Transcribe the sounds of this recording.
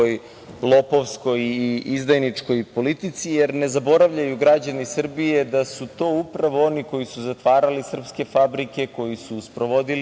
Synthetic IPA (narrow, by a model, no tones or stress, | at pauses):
oj | lˠo̞po̞ʋsko̞jizd̪ajnit͡ʂko̞jpo̞lit̪it̪sije̞ɾne̞zabo̞ɾaʋʎajuɡɾad͡ʑanisr̩bije̞d̪asut̪o̞ːupɾaʋo̞o̞niko̞jisuzat̪ʋaːɾalisr̩pske̞fabɾike̞ko̞jisuspɾo̞ʋo̞d̪il